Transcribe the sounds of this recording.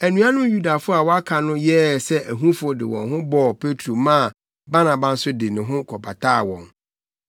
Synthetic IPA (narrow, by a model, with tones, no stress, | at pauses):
æ˨nũ˦a˦nʊ̃˦ju˦da˨fʊ˦a˨wɔ˦a˦kʰa˨nʊ̃˦jɛː˦sɛ˦ʔæ˨ɦũ˦fʊ˦ɔ˦dɪ̰˨wɔ̰̃˨nɦʊ̃˦bɔ˦˨pʰe˦tʰɾo˨mãː˦˨ | ba˦nã˨ba˨n̩˦sʊ˦dɪ˨nɪ̃˨ɦʊ̃˦kʰɔ˨ba˨tʰa˦˨wɔ̰̃˨ŋ